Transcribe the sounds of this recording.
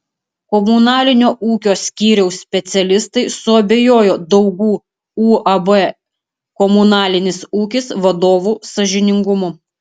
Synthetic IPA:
kɔmʊnɑːlʲɪnʲoːʔuːkʲoːsʲkʲiːɾʲɛʊsʲsʲpʲɛt̪sʲɛlʲɪst̪ɐɪsʊɐbʲeːjoːjoːd̪ɒʊɡuː | uːɐbɛ | kɔmʊnɑːlʲɪnʲɪsuːkʲɪsʋɐd̪oːʋuːsɐʒʲɪnʲɪŋɡʊmʊ

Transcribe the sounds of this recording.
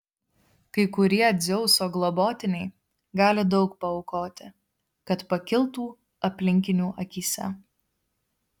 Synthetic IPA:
kɐɪkʊɾʲiɛd̪zʲɛʊsoːɡlˠɔboːt̪ʲɪnʲɛɪ | ɡɑːlʲɪd̪ɒʊkpɐɔʊkoːt̪ʲɪ | kɐt̪pɐkʲɪlˠt̪uː | ɐpʲlʲɪŋʲkʲɪnʲuːʔɐkʲiːsʲɛ̰

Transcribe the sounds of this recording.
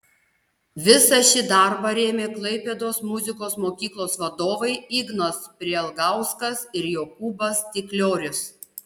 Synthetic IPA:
ʋʲɪsɐʃʲɪd̪ɐɾbɐɾʲeːmʲeːklˠɐɪpʲɛd̪oːsmʊzʲɪkoːsmoːkʲiːklˠoːsʋɐd̪oːʋɐɪiːɡnoːspʲɾʲiɛɛlˠɡɐˑʊskɐsɪɾjoːkuːbɐst̪ʲɪklʲoːɾʲʊs

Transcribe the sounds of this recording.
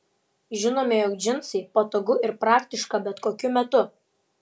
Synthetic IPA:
ʒʲɪnoːmʲɛjɔk̚d͡ʒʲɪnsɐɪpoːt̪oɡʊɪɾpɾɑːkʲt̪ʲɪʃkɐbʲɛt̪koːkʲʊmʲɛt̪ʊ

